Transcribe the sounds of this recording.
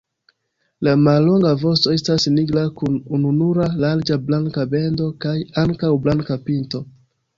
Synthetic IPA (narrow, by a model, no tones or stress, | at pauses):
lamalːo̞ŋɡavo̞sto̞e̞stasniɡlakunununuɾalaɾd͡ʒablaŋkabe̞ndo̞kajaŋkawblankapinto̞